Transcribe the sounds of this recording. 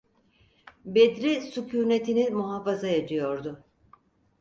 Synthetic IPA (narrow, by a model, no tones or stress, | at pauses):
bed̪ɾisucʰuːne̞t̪ʰinimuɦafazajad͡ʒɯjo̞ɾd̪ʊ